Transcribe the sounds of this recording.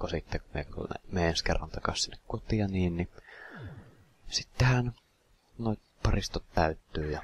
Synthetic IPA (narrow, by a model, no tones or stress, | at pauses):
kosit̪ːækumḛk̪ṵnḛmeenskḛrːɑ̰nt̪ɑkɑ̰ssinːekkut̪iɑniːnni | sit̪ːehæn | noˑit̪pɑrist̪ot̪t̪æyt̪ːyːjɑ